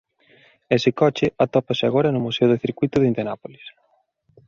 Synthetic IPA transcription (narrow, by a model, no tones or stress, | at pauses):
esɪkɔt͡ʃɪʔat̪ɔpasɪaɣ̞oɾɐnʊmuseʊðɪθiɾkwuijt̪ʊðint̪enapolis